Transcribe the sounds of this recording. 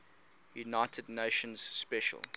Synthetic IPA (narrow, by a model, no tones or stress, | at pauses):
junaɪtʰədⁿneɪʃə̃nz̥spɛʃə̰lˠ